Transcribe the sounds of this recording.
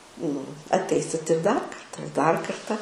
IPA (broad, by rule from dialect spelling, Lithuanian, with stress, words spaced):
nʊ ɐtʲˈɛɪsʲɪt ɪr dɐr ˈkɐrtɐ ɪr dɐr ˈkɐrtɐ